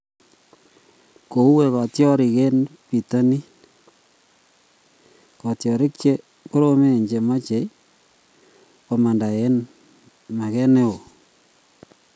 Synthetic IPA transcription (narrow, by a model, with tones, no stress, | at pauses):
ko˨u˦we˨ka˨tjɔ˦ɾi˨ɣe˦npi˨ta˦ni˦ | kɔ˨tjɔ˨ɾe˦kt͡ʃe˦ | ko˦ɾo˦me˦˨ɲd͡ʒe˨ma˦t͡ʃe˨ | ko˨ma˨nda˨e˦n | ma˨ɣe˦ne˦o˨